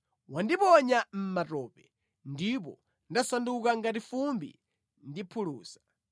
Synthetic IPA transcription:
wandipɔɲam̩matɔːpɛ | ndip̬ɔ̰ | ndasandukaŋɡatifumbḭ | ndipʰuluːsḁ

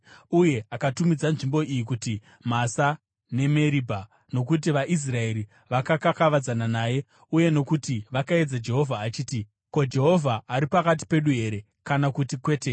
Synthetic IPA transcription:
uje̞akatumid͡zanʐimbo̞ijikuti | masa | ne̞me̞ɾibʱa | no̞k̬ut̬iʋaʔis̬rae̞ɾi | ʋakakakaʋad͡zananaːje̞ | uje̞no̞kutiʋakae̞d͡zad͡ʒe̞ɦo̞vʱaːt͡ʃiːti | ko̞d͡ʒe̞ɦo̞vʱaːɾipakat̬i̥pe̞ɗuɦe̞ɾe̞ | kanakutikwe̞ːte

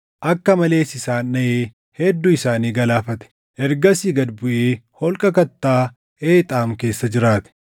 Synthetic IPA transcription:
ʔɐkːɐmɐle̞ːsɪsaːnːɐʔeː | hɛd̪ːʊɪsaːniːɡɐlaːfɐt̪ɛ̥ | ʔɛɾɡɐsiːɡɐd̪bʊʔeːhɔlkʼɐkɐt̪ːaː | ʔeːt̪ʼaːmke̞ːsːɐd͡ʒɪɾaːt̪ɛ̥

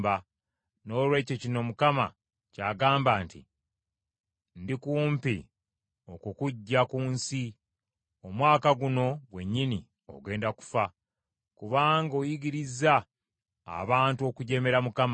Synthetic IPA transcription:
ba | no̞ːlwe̞ːcocino̞mukama̰ | caːɡaːmbaːntḭ | ndikuːmpḭ | o̞kukuɟːakuːnsi | omwaːkaɡuno̞ɡwe̞ɲːini | o̞̰ɡe̞ːndaku̥fa | kuβaːŋɡo̞ːjiɡiɾiza̰ː | βaːntuo̞kuɟe̞me̞ɾamukam

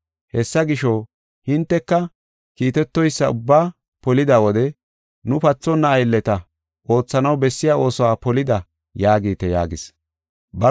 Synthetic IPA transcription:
hɛsːɐɡɪʃɔ | hɪnt̪ːɛkːɐ | kiːt̪ɛt̪ːɔjsːɐʊbːaː | pɔlɪd̪aːwɔd̪ɛ | nʊpɐt͡sːɔnːɐːjlːɛt̪ɐ | ʔo̞ːt͡sːɐnɐwbɛsːɪjaːo̞ːsɔwaːpɔlɪd̪ɐ | jaːɡiːt̪ːɛja̰ːɡɪs | bɐ

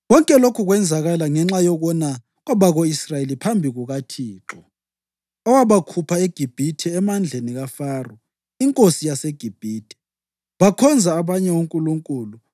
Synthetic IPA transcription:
ɣɔŋkʼɛlokʰuɣwɛnd͡zʱaɣalaŋɛŋ͡ǁajɔɣɔna | ɣɔβaɣoisrajelipʰambʱiɣuɣatʰiːǁʰɔ | ɔwaβakʰupʰaeɡ̥ʱib̥ʱitʰɛɛmand͡ɮʱeniɣafaːrɔ | iŋkʼosijaseɡ̥ʱib̥ʱiːtʰʼɛ̥ | βakʰɔnd͡zʱaːβaɲɛwuŋkʼuluŋkʼuːlu

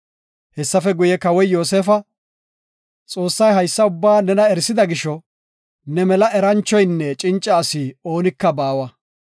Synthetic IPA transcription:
hɛsːɐfɛɡʊjɛkɐwɔjjo̞ːseːfɐ | t͡sʼo̞ːsːɐjɦɐjsːɐʊbːaːnɛnɐɛɾsɪd̪ɐɡɪʃɔ | nɛmɛlɐʔɛɾɐnt͡ʃːɔjnːɛt͡ʃʼɪnt͡ʃʼːaːsiːo̞ːnɪkːɐbaːwɐ

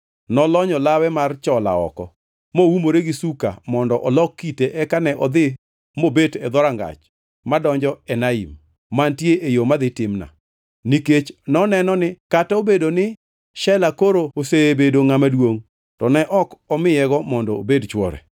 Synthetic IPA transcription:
nɔlɔɲɔlawɛmart͡ʃɔla̰ɔ̰kɔ̰ | mowumoɾeɡisuka̰mɔndɔʔɔlɔkːiteʔɛkanɛʔɔd̪ɪ | mobetɛd̪ɔɾaŋɡa̰t͡ʃ | madɔɲd͡ʒɔɛnaḭmː | antjeʔejomad̪ɪtɪmna̰ | niket͡ʃnɔnɛnɔnɪkataobedonɪ | ʃɛlakoɾooseebedoŋamadwoŋ | tɔnɛʔɔkɔmɪjɛɡɔmɔndɔobedt͡ʃwɔ̰ɾɛ̰

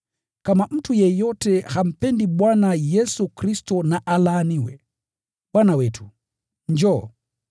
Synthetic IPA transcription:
kamam̩tʰujɛjɔtɛham̩pɛndibwanajɛsukɾistɔnaʔalaːniwɛ̰ | bwanawɛtʰu | ɲd͡ʒɔ

